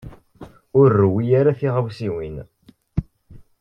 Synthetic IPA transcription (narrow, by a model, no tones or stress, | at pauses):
ʊɾːwijaɾaθiʁəvsiwin